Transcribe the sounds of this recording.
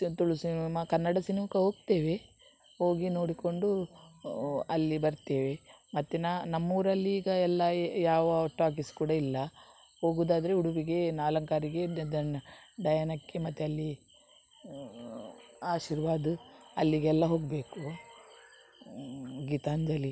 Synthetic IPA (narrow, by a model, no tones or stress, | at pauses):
t̪uɭusimɐkɐnːɐɽɐsinimukɐɦo̞ːɡ̚t̪eːʋe | ho̞ːɡino̞ːɽiko̞ɳɖu | ɐlːibɐɾt̪e̞ːʋe̞mɐt̪ːenanɐmːuːɾɐlːiːɡɐɛlːɐjaːʋɐoʈːaːk̬iskuːɽɐilːɐ | ho̞ːɡuːd̪aːd̪ɐɾeuɽuʋiɡe̞naːlɐŋkaːɾiɡe̞d̪ɐnɖɐjɐnɐkːemɐt̪ːeɐlːi | aːʃiɾʋaːd̪uɐlːiɡɛlːɐɦo̞ːɡbe̞ːku | ɡiːt̪aːnd͡ʒɐli